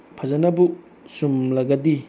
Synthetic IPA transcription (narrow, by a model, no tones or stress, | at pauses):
pʰazanapuʔ | sumlaɡad̪i